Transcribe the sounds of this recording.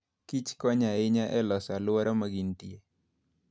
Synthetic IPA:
kit͡ʃkɔɲaɪɲaʔɛlɔsalwɔɾamaɡintie

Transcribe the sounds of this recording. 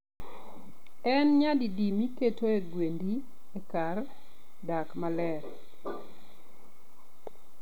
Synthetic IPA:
ɛnɲadidimiketʰoeɡwendi | ekar | dakmalɛɾ

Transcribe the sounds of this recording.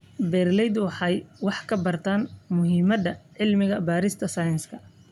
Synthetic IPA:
bɛrlɛjd̪wɑħɑjwɑħkʰɐbɐrt̪ʰaːnmʊɦiːmɐd̪ɐʕɪlmɪɣɐbaːɾɪst̪ʰɐsɐjɐnskʰɐ

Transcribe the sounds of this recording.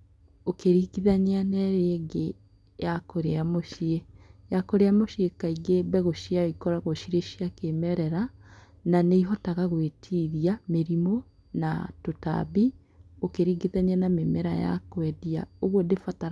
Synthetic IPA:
okeɾiːɡiðaɲeanɛɾeːɡe | jakoɾeamoʃiejakoɾeamoʃiekaiɡebɛɣoʃiaoikɔɾaɣoʃiɾeʃiakemɛɾɛɾa | naneiɦɔtaɣaɣwetʰiðiameɾimo | na̰tota̰βi | okeɾiːɡiðaɲeanamemɛɾa̰ja̰kwɛdia̰oɣwodefataɾ

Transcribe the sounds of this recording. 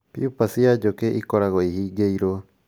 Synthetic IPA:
pḭupasiad͡ʒokeʔikoɾaɡoihiɡeiɾo

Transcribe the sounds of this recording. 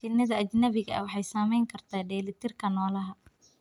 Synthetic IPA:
t͡ʃɪnɐðɐːd͡ʒnɐβɪɣɐɐ̰wɑħɑjsaːmɛjŋkʰɐrt̪ʰaːɖɛːlɪt̪ʰɪrkʰɐnɔːlɐɦɐ

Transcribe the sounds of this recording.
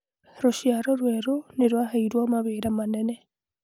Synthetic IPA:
ɾoʃjaɾɔɾweːɾoneɾwahaiɾwamaβeːɾamanenɛ

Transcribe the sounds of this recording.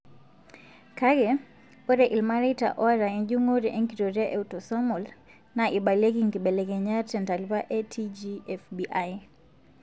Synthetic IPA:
kaɡɛ | oɾɛʔilmaɾeita̰ʔɔɾaɛɲɟuŋoɾiʔeŋkiɾoɾaʔeutɔsɔmɔl | naʔiɓalekiŋɡiɓɛlɛɡɛɲatɛntalivaʔetʰid͡ʒiɛfbiʔaj

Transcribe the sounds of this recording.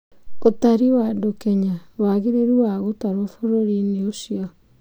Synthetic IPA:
otaɾiwadokɛɲawaɣeɾeɾuwaɣotaɾwofoɾoɾineosiɔ

